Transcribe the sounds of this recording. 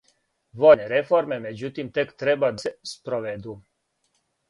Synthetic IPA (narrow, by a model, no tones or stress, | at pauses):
ʋoneɾefoɾmemed͡ʑut̪imt̪ekt̪ɾebad̪spɾoʋed̪u